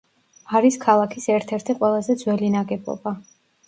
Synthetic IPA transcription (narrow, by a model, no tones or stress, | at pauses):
aɾiskʰalˠakʰisɛɾt̪ʰɛɾt̪ʰiqʼwɛlˠazɛd̪zwɛlinaɡɛbɔ̰ba